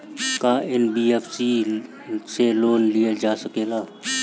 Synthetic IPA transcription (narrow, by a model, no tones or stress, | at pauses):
kaɪnbiːefsi | seloːnlɪjad͡ʒaːsɐkeːlaː